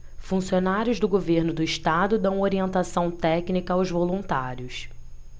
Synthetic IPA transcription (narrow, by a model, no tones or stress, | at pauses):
fũsionaɾjʊzd̪ʊɡoveɾnʊd̪ʊiʃt̪ad̪ʊd̪ɐ̃w̃oɾiẽnt̪asɐ̃w̃t̪ɛknikɐawzvolũnt̪aɾjʊs